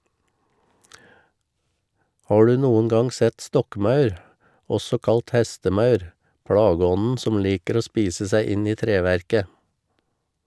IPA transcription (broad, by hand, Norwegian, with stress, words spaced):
ˈhɑː ˈɖʉː ˈnuːən ˈɡɑŋ ˈsɛt ˈstɔkˌmɑʉɾ ˈɔsɔ ˈkɑlt ˈhɛstəˌmɑʉɾ ˈpɽɑːɡəˌɔnn̩ ˈsɔm ˈliːkəɾ ˈoː ˈspiːsə ˈsæɪ ˈɪn ˈiː ˈtɾeːʋæɾkə